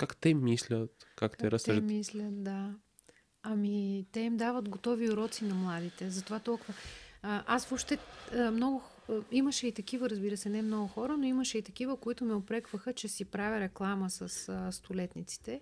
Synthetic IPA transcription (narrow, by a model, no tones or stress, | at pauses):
kakt̪ɛmislʲət̪kakt̪ɛɾsʒmislʲɐt̪̚d̪a | ɐmit̪ɛimd̪avət̪ɡot̪ɔviʊɾɔt̪sinɐmlˠad̪it̪ɛzɐt̪ovat̪ɔlˠkʊvəʔasvɔpʃt̪ɛəmnɔɡʊx | iməʃɛit̪ɐk̟ivəɾɐzbiɾəsɛnɛmnɔɡʊxɔɾənoiməʃɛit̪ɐk̟ivəkoit̪ʊmiopɾɛkvəxət͡ʃɛsipɾavʲɛɾɛklˠaməsɐsəst̪ʰʊlɛt̪nit̪si̥t̪ɛ